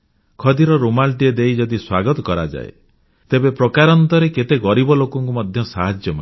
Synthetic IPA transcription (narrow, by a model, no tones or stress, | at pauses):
kʰɔd̪iɾɔɾomalʈied̪eijd͡ʒɔd̪iswaɡɔt̪ɔkɔɾad͡ʒa̰ḛ | t̪ebepɾɔkaɾɔnt̪ɔɾeket̪eɡɔɾibɔlokɔŋkumɔd̪ʱjɔsaɦad͡ʒjɔma̰